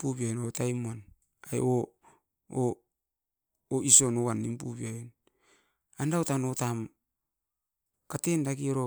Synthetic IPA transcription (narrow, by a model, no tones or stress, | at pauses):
pupiajonowtajmuan | aj̰o | o | iso̞nowanːimpṵbiajon | andawtanotam | katendakiɾo